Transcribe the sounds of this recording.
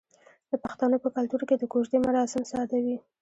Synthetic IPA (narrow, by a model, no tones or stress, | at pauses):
d̪̥əpaxt̪anəpəkalt̪uɾked̪əkoʒd̪emaɾɑsɪmsɑd̪awi